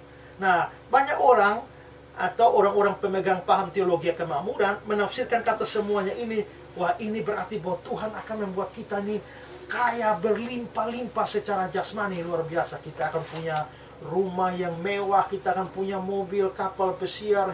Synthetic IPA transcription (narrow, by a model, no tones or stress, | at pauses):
nah | baɲakoɾaŋ | at̪awʔoɾaŋoɾaŋpəməɡaŋpaɦamt̪eoloɡiakəmamudanmənafsɪrkankat̪asəmuaɲaʔini | wahinibəɾart̪ibawat̪uɦanakanməmbuat̪̚kit̪aini | kajabərlimpalimpasət͡ʃaɾad͡ʒaksmaniluarbiasakit̪aːkanpuɲa | rumahjaŋmewahkit̪aːkanpuɲamobilkapalpəsiar